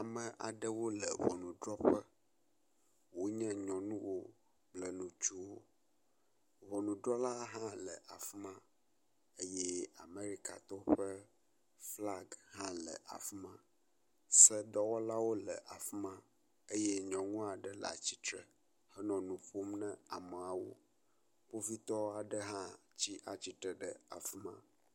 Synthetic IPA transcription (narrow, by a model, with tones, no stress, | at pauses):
a˨mə̃˨ʔa̰˨ɖɛ˦wo˦lə˨vɔ̰˨nũ˨ɖɾɔ˦ɸə˦ | wo˦ɲɛ̃˦ɲɔ̃˨nũ˦wo˦ | blə˨nũ˨t͡ʃu˦wo˦ | vɔ˨nũ˨ɖɾɔ˦la˦ɦã˦lə˨ʔa˨fmã˦ | ə˦jɛ˦a̰˨me˦ɾi˦ka̰˨t̪ɔ˦ɸə˦ | fla˦ɡhã˦lɛ̰˨ʔa̰˨fmã˦ | sɛ˦ɖɔ˦wɔ˦la˦wo˦lɛ˨ʔa˨fmã˦ | e˦je˦ɲɔ̃˨ŋũ˦a˨ɖɛ˦la̰˨t͡ɕi˦t̪ɾɛ̰˨ | hɛ˦nɔ̃˨nũ˨ɸo˦mnɛ̃˦a˨mɛ˨a˨wo̰˦ | ɸo˦vi˦t̪ɔ˦a˨ɖɛ˦ɦã˦t͡ɕi˦ʔa˨t͡ɕi˦t̪ɾɛ˨ɖɛ˨a̰˨fmã̰˦